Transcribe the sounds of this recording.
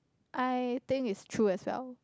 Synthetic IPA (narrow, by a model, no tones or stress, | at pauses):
ʔajt̪ɪ̃ŋitstʰɹuɛswɛ̰lˠ